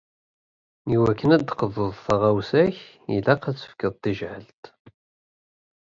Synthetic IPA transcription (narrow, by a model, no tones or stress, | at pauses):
iwækːənæd̪qəðəðˤθɑʁæwsæç | jḭlæqæt͡sːə̥fkəðˤt̪ːiʒʕəlt̪